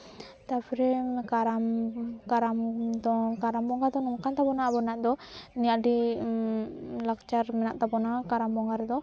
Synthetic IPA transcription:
t̪apʰɔɾɛkaɾamkaɾamd̪ɔkaɾambɔŋɡad̪ɔnɔŋkant̪abɔnabɔnaʔd̪ɔniaɖi | lakt͡ʃaɾmɛnaʔt̪abɔnakaɾambɔŋɡaɾɛd̪ɔ

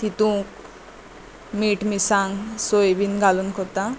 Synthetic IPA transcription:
t̪it̪ũk | miʈmisaŋsojbinɡalunkʰɔt̪a

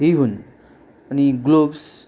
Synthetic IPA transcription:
ɦiɦun | əniɡlobs

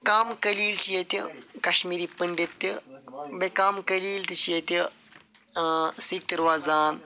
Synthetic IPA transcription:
kaːmkɐliːlt͡ʃijet̪ikɐʃmiːɾiːpəɳɖit̪ːibekaːmkɐliːlt̪it͡ʃʰijet̪i | siːk̚t̪ɐɾʋaːzaːn

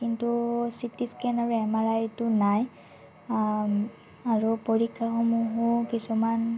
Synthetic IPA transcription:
kintusitiskɛnaɹuɛmaɹajtʊnaj | aɹupoɹikʰːaxomuɦukisuman

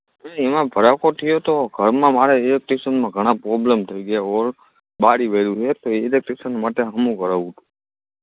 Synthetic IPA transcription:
eemãbʱəɾakot̪ʰijot̪oɡʱəɾmãmaɽeilek̚ʈesənmãɡʱəɽ̃ãpɾɔblemt̪ʰəiɡəjaɔɾ | ɓaɽiʋeɾũɦet̪oeːlek̚ʈesənmaʈeɦəmũkəɾaʋũt̪ũ̥

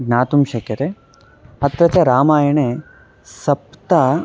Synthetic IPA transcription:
ɡnaːt̪umʃɐkjɐt̪e | ɐt̪ɾɐt͡ʃɐɾaːmaːjɐɳe | sɐpt̪a

